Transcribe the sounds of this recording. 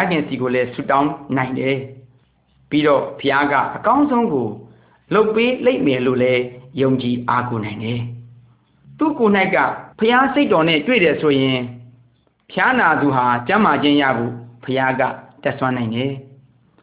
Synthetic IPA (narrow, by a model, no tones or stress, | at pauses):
aɡɪ̃nsiɡolɛsṵtãʊ̃nãɪ̃ndɛ | piɾɔ̰pʰəjaɡä̰ʔəkãʊ̃nzõʊ̃ŋɡo | lopːeleɪʔmɛlo̰lɛjõʊ̃ɲt͡ɕiʔakonãɪ̃ndɛ | t̪ṵkon̥aɪʔkːä̰pʰəjaseɪtɔn̥ɪ̰̃twḛɾɛsʰojɪ̃ | pʰəjanad̪uɦat͡ɕãmad͡ʑɪ̃ja̰ɡo̰pʰəjaɡa̰tɛʔswãnãɪ̃ndɛ